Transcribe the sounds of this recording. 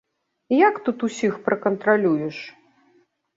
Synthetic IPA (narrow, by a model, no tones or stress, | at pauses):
jakt̪ut̪usʲixpɾɐkɐnt̪ɾalʲujɛʂ